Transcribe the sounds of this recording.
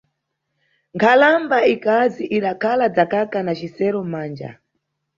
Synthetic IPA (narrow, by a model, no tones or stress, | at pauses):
ŋkʰalambaikaziʔiɗakʰalad͡zakakanat͡ʃisɛɾɔmaːnd͡ʒa̰